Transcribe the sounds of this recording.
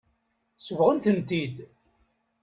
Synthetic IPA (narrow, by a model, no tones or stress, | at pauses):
səvʁənt̪ənt̪id̪